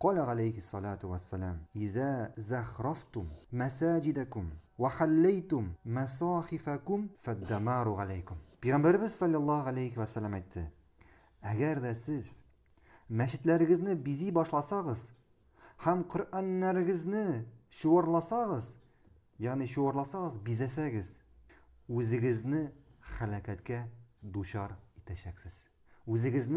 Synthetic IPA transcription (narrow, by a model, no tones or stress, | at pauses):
qɒlæʁalejhisːɑlaːt̪uwæsːælæmɪðæzæχɾɑft̪ʊmːæsæːd͡ʒid̪ækʊmwæχælːæjt̪ʊmːæsɑːχifækʊmfæd̪ːæmɑːɾuʁalæjkʊmpijʁambæɾɘ̆bɘzsɒlʲːɑlˠːɑhælajkwæsːælːæmæjt̪ʰːɘ̰ | æɡæɾd̪æsɘz | mæɕɘ̆t̪læɾɘ̆ɡɘ̆znɘbizibɒʃlˠɑsɑʁɤz | hæmqŏɾʔænːæɾɘ̆ɡɘ̆znɘɕuʁɑɾlˠɑsɑʁɤz | jɑʁniɕuwɑɾlˠɑsɑʁɤzbizæsæɡɘz | ʉzɘ̆ɡɘ̆znɘχælækæt̪kæd̪uɕɑɾit̪æɕæksɘz̥ | ʉzɘ̆ɡɘ̆zn